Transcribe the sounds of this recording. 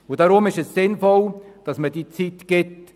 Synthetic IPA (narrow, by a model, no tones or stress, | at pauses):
ʊd̥ɑɾʊmɪʃəssɪnfɔld̥ɑsməd̥iːt͡sitɡ̥ɪt